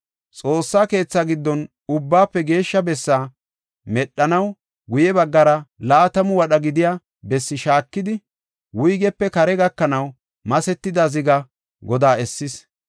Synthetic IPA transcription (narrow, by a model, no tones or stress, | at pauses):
t͡sʼo̞ːsːaːke̞ːt͡sːaɡɪd̪ːɔn | ʊbːaːpːɛɡe̞ːʃːɐbɛsːaː | mɛɗːɐnɐw | ɡʊjɛbɐɡːɐɾɐlaːt̪ɐmʊwɐɗɐɡɪd̪ɪja | bɛsːɪʃaːkːɪd̪ɪ | wʊjɡɛpːɛkɐɾɛɡɐkːɐnɐw | mɐsɛt̪ːɪd̪azɪɡɐ | ɡɔd̪aːɛsːɪs